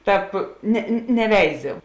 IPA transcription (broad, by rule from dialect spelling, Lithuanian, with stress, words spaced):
ˈtɑːp nʲɛ nʲɛˈʋʲɛɪzʲɪ